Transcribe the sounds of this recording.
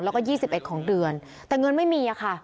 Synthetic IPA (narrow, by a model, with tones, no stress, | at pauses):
lɛː˧wkɔː˥˩jiː˥˩si˨˩p̚ʔe˨˩t̪̚kʰɔː˩˦ŋdɯ˧ən | t̪ɛː˨˩ŋɤ˧nma˥˩jmiː˧a˨˩kʰa˥˩ʔ